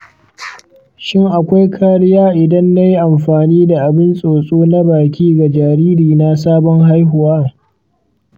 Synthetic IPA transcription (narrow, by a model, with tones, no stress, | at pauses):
ʃɪ˦ŋʔa˨kʷa˦jkʰaː˨ɽɪ˦jaː˦ʔɪ˨dɐ˦nːa˦ji˦ʔa˨mɸaː˨niː˦da˨ʔa˨bɪ˦nsʼoː˨sʼoː˦na˦baː˨kʲiː˦ɡa˨d͡ʒaː˨ɾiː˦ɾiː˨na˦saː˦bɔ˦ŋɦa˦jɦʊ˨waː˦